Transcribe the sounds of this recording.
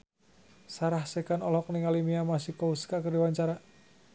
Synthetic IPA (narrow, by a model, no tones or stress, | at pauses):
saɾahsekanɔlɔk̚niŋalimiamasihkɔuskakərdiwaɲt͡ʃaɾa